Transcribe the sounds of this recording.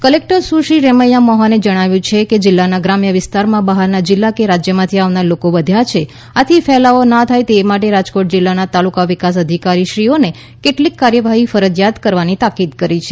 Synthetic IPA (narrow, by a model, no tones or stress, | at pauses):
kəlek̚ʈəɾsuʃiɾɛməjamɔɦaned͡ʒəɽ̃aʋjũt͡ʃʰeked͡ʒɪlːanaɡɾamjəʋɪst̪aɾmãbaɦaɾnad͡ʒɪlːakeɾad͡ʒjəmãt̪ʰiaʋnaɾlokoʋəd̪ʱjat͡ʃʰe | at̪ʰifɛlaonat̪ʰajt̪eːmaʈeɾad͡ʒkoʈ̚d͡ʒɪlːanat̪alukaʋɪkas̬əd̪ʱikaɾiʃɾione | keʈlikːaɾjəʋaɦifəɾəd͡ʒjat̪kəɾʋanit̪akid̪kəɾit͡ʃʰe